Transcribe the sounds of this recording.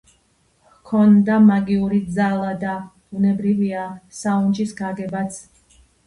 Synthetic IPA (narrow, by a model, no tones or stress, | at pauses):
kʰɔnd̪amaɡiuɾid̪zalˠad̪ab̥unɛbɾiviasaunt͡ʃʼisɡaɡɛbat̪sʰ